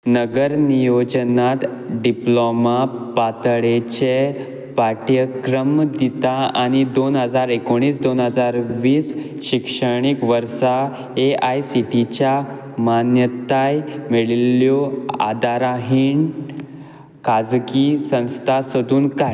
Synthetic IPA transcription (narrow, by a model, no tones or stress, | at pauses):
nəɡəɾnijod͡ʑnat̪ | ɖiplomapat̪ɭet͡ɕe | paʈjəkɾəmd̪it̪aañid̪onɦəd͡zaɾekoɽ̃iːsd̪onɦəd͡zaɾʋiːs | ɕikʂəɽ̃ikʋəɾsa | eajsiʈit͡ɕja | manjət̪ajmeɭiljoa̰d̪aɾaɦiːɳ | kad͡zɡisə̃st̪ʰasəd̪uːnka